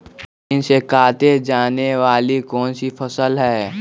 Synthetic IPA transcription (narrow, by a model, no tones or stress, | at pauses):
ɪnsekaːt̪ed͡ʒaːneʋaːlikɔːnsifʰəsəlɦɛː